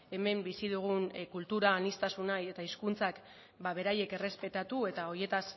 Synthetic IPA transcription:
e̞me̞mbisiðuɣ̞unkult̪uɾaːnist̪asunaje̞t̪aiskunt͡sak | baβ̞e̞ɾaje̞ke̞re̞spe̞t̪at̪ue̞t̪ao̞ɾje̞t̪as

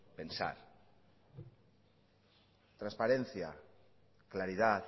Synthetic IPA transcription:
pensa̰ɾ | t̪ɾanspaɾenθja̰ | klaɾiðat̪

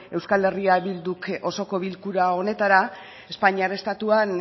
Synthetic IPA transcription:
e̞wskale̞riaβild̪uko̞so̞ko̞βilkuɾao̞ne̞t̪aɾa | e̞spaɲiaɾest̪at̪uan

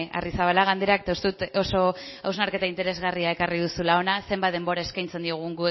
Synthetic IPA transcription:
a̰risaβalaɣ̞and̪e̞ɾak̚t̪oust̪ut̪o̞so̞awznaɾke̞t̪aint̪e̞ɾe̞zɣariae̞karið̞usulao̞nase̞mbat̪ðe̞mbo̞ɾae̞skajnt͡se̞nd̪ioɣ̞uŋɡue

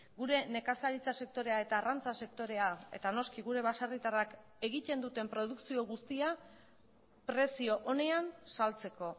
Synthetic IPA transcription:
ɡuɾe̞ne̞kasaɾit͡sase̞k̚t̪o̞ɾe̞ae̞t̪aːrant͡sase̞kt̪o̞ɾe̞ae̞̰t̪ano̞skiɣuɾe̞βasarit̪arak | e̞ɣit̪e̞nd̪ut̪e̞mpɾo̞ð̞uksio̞ɣ̞ust̪ia | pɾe̞sio̞ʔone̞ansalt͡se̞ko̞

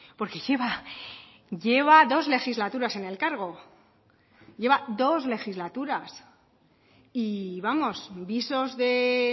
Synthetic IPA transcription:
po̞ɾke̞ʝeβa | ʝe̞β̞aðo̞zle̞xizlat̪uɾase̞ne̞lkaɾɣ̞o̞ | ʝe̞βad̪o̞zle̞xizlat̪uɾas | iβamo̞sbiso̞zðe̞

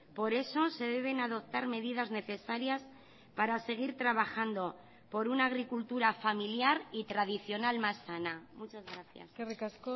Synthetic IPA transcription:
po̞ɾe̞so̞se̞ðe̞β̞enaðo̞p̚t̪aɾme̞ðiðazne̞θe̞saɾjas | paɾase̞ɣ̞iɾt̪ɾaβaxand̪o̞ | po̞ɾunaːɣɾikult̪uɾafamiljaɾit̪ɾaðiθjo̞nalmasːanamut͡ʃazɣɾaθja̰skerikasko

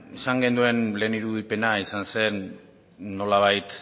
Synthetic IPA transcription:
esaŋɡe̞nd̪ue̞nle̞ːniɾuðipe̞naisanse̞nː | o̞laβ̞ajt̪

